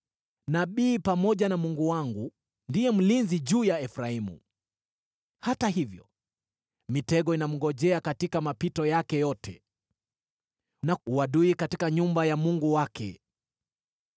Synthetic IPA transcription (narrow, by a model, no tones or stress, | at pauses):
naɓiːpamɔʄanamuŋɡuwaŋɡu | ndijɛm̩linziʄuːjaɛfɾaimṵ | hataɦivjɔ̰ | mitɛɠɔinam̩ɡɔʄɛakatikamapitɔjakɛjɔtʰɛ̰ | nauwaɗuikatikaɲumbajamuŋɡuwakɛ̰